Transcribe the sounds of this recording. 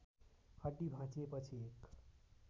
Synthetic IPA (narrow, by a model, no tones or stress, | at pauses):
kʰəɖibʱãt͡sepət͡ʃʰiek